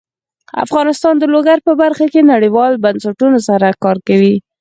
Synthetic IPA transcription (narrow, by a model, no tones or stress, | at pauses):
a̰fɣɑnɪst̪ɑnd̪əloɡaɾpəbaɾxakenaɽiwɑlbansaʈunosaɾakɑɾkawi